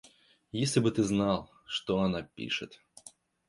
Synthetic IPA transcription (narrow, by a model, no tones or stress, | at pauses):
jesʲlʲɪbɨt̪ɨznalˠ | ʂt̪oɐnapʲḭʂɨ̰t̪